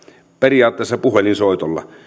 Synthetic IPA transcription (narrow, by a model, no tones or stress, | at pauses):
periɑːt̪ːeːˑsːɑpuhelinsoˑit̪olːɑ̰